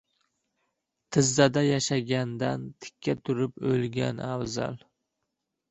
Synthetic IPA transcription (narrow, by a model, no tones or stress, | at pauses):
t̪ʰɪzːad̪ajaʃaɡʲand̪ant̪ʰɪ̥kʲʰːat̪ʰʊɾɪpɵlɡʲa̰nawza̰l